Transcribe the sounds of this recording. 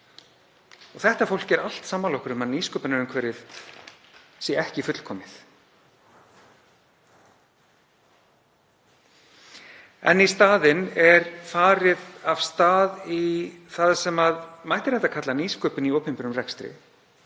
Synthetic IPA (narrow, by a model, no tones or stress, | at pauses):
ɔɣθɛht̪afowl̥cɛɾal̥t̪saːmːanlɔwkʏɾʏmaðniːskœpɪnaɾʏmkʰvɛːɾɪð | siɛhcɪfʏt̪l̥kʰɔːmɪθ | ɛ̰nːist̪aːðɪnɛɾfaːɾɪðav̥st̪aːðiθaðsɛmaðmajht̪ɪɾɛht̪akʰat̪laniːskœːpɪniowpɛmpɪnʏmrɛkst̪ɾɪ̰